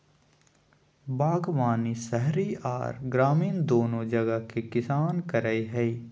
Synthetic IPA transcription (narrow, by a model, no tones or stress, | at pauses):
baːɡʋaːnisɛɦɾia̰ːɾɡɾaːmiːnd̪oːnõd͡ʒɐɡəkekɪsaːnkɐɾaːiɦɛi